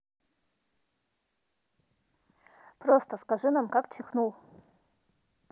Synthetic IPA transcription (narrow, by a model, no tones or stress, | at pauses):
prost̪əskaʐɨnamkakt͡ʃʰɪxnulˠ